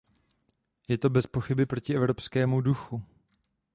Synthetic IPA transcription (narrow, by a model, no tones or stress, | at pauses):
jɛt̪o̞bɛspoxɪbɪpɾo̞cɪʔɛvɾo̞pskɛːmuduxu